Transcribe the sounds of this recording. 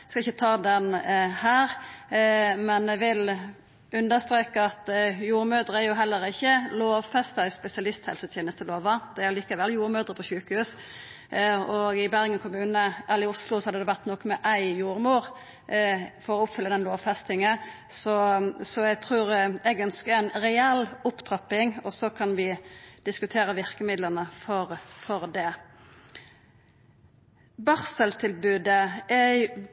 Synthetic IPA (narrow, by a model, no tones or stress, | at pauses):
skɑɪçːət̪ʰɑːd̪ɛnhæːɾ | mɛnɛʋɪl | ʉnd̪əst̪ʁeːkəɑt̪juːɾmøːd̪ɾəæɾjʊɦɛlːəɾɪçːəloːʋfɛst̪ɑɪspɛsɪɑlɪst̪hɛ̰lsət̪ʰjeːnəst̪əloːʋɑd̪ɛæʁliːkəʋɛljuːɾmøːd̪ʁəpʰɔɕʉːkəhʉːs | ɔɡɪbæɾɡənkʰʊmʉːnəʔɑlːɪʊslʊsɔhɑd̪əd̪ɛʋæʁt̪nɔkːmɛʔæɪjuːɾmuːɾ | fɔɾɔʊpfʏlːəd̪ɛnloːʋfɛst̪ɪŋə | sɔsɔɛɡt̪ʰʁuːɾɛɡœnskəɾænɾɛɛlːʊpt̪ʰʁɑpːɪŋɔsɔkʰɑnʋɪd̪̥ɪskʉt̪ʰeːɾəʋɪʁkəmɪd̪lənəfɔɾfɔɾd̪ɛ | bɑʁsəlt̪ʰɪlbʉːd̪əæ